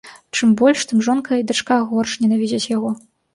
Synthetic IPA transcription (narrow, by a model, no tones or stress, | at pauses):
t͡ʂɨmbɔlʲʂt̪ɨmʐɔnkɐjɐid̪at͡ʂkaɣɔrʂnʲɛnavʲid͡zʲɐt͡sʲjaɣɔ